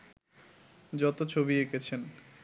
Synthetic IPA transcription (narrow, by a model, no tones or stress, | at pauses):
d͡ʑɔt̪ot͡ɕʰobiekʰet͡ɕʰen